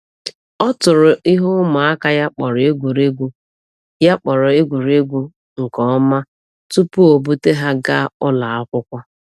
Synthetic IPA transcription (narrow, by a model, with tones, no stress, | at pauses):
ɔ˦tʊ˨ɾʊ˨i˦ɦʊ˦ʊ˦ma˨a˦ka˦ja˦k͡pɔ˨ɾe˦ɡʷu˨ɾe˦ɡʷu˦ | ja˦k͡pɔ˨ɾʊ˨e˦ɡʷu˨ɾe˦ɡʷu˦ | ŋ̩˨kɔ˨ɔ˦ma˦ | tu˦pu˦o˨bu˦te˦ɦa˦ɡa˦ʊ˦la˨a˦kʷʊ˦kʷa˦